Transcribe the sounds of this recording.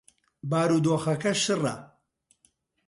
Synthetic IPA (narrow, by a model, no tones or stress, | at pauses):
baːɾuːd̪oːxɐkɐʃɨrɐ̰